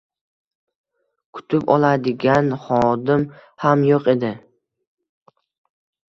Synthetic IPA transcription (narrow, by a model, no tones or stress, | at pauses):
kʰʊ̥t̪ʰɪpɒ̰lˠad̪ɪɡʲanχɒd̪ɪmhamjoqe̞d̪ɪ